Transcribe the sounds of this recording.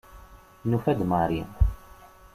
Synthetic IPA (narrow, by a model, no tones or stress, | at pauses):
nufæd̪maɾi